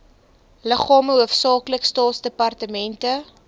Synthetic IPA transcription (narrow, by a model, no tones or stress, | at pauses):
ləχɑːməɦuəfsɑːkləkstɑːtsdəpɐrtəmɛntə